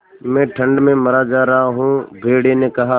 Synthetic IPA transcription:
mẽːʈʰəɳɖmẽːməɾaːd͡ʒaːɾəɦaːɦũːbʱeːɽeːnẽːkəɦaː

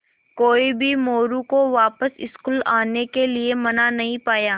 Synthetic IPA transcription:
koːibʱimoːɾũkoʋaːpəsɪ̰skuːlaːnekeliemɐnanɐɦĩpaːjaː

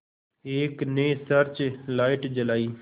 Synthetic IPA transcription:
eːkneːsəɾt͡ʃlaːɪʈd͡ʒəlaːiː

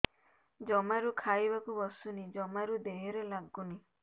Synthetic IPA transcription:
d͡ʒɔmaɾukʰajbakubɔsunid͡ʒɔmaɾud̪eɦeɾelaɡuni

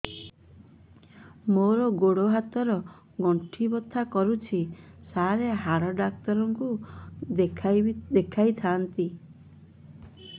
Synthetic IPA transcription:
moɾɔɡoɽoɦat̪ɔɾɔ | ɡɔɳʈʰibɔt̪ʰakɔɾut͡ʃʰisaɾeɦaɾɔɖak̚t̪ɔɾɔŋku | ekʰd̪ekʰajt̪ʰaːnt̪i

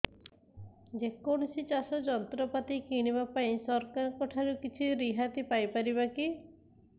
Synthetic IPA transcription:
d͡ʒekɔɳ̃ɔsit͡ʃasɔd͡ʒɔnt̪ɾɔpat̪ikiɽ̃ibapaĩsɔɾkaɾɔkɔʈʰaɾukit͡ʃʰiɾiɦat̪ipajpaɾibaki

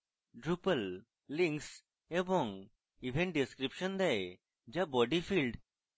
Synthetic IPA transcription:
ɖɾupəlː | ĩŋks | ebɔ̃ŋ | ibʱɛ̃ɳʈ̚ɖeskɾipʃɔnd̪ɛj | d͡ʒabɔɖifilɖ

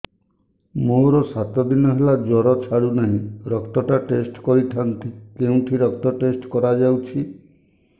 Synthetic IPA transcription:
moɾɔsat̪ɔd̪inɔɦelad͡ʒɔɾɔt͡ʃʰaɽunaɦĩɾɔkt̪ɔʈaʈesʈkɔɾiʈʰant̪ikeũʈʰiɾɔk̚t̪ɔʈesʈkɔɾad͡ʒawt͡ʃʰi

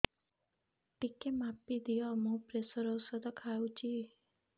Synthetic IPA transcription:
ʈikemapːid̪iɔmũpɾesəɾɔwsəd̪ɔkʰajũt͡ʃʰi

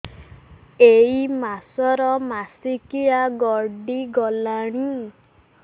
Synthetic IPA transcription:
eimasɔɾɔmasikijaɡɔɾɖiɡɔlaɽ̃i

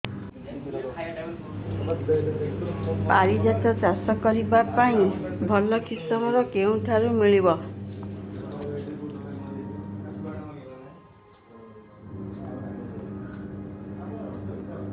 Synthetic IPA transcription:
paɾid͡ʒat̪ɔt͡ʃasɔkɔɾibapaĩbʱɔlɔkʰisɔmɔɾɔkeũʈʰaɾumiɭibɔ

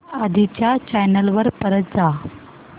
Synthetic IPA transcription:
ad̪ʱit͡ɕjat͡ɕajnəlʋəɾpəɾət̪̚d͡za

